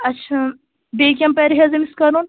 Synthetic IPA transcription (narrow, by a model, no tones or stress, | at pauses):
ɐtːʃʰa | beːkʲjɐmpɐɾiɦezɐmiskɐɾuːn